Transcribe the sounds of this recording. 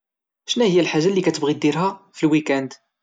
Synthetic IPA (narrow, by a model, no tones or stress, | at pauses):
ʃnæhəjːælħaʒːælːikæt̪əbʁid̪iɾhæfəlwikænd̪